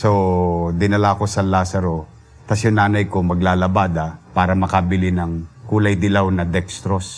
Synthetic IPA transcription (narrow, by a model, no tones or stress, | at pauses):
sod̪ɪnɐlako̞sɐlaːsɐɾo̞ | t̪ɐsjʊŋnaːnɐjkomɐɡlaːlɐbaːd̪ɐpaːɾɐmɐkɐbɪlɪnɐŋkuːlɐjd̪ɪlawnɐd̪ɛkst̪ɾos